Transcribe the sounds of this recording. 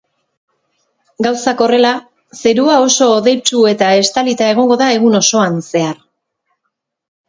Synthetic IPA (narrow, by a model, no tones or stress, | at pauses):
ɡawsako̞re̞la | se̞ɾuao̞so̞ːðe̞jt͡ʃue̞t̪ae̞st̪alit̪ae̞ɣ̞o̞ŋɡo̞ðae̞ɣuno̞so̞anse̞aɾ